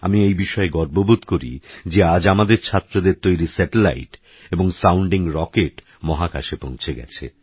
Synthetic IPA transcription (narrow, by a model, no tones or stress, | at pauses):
a̰miejbiʃɔeɡɔɾbobut̪koɾḭd͡ʑead͡ʑamad̪eɾt͡ɕʰat̪ːɾod̪eɾt̪ojɾisɛʈela̰jʈ | eboŋsawɳɖiŋɾɔkeʈ | mɔɦaka̰ʃepõñt͡ɕʰeɡɛ̰t͡ɕʰḛ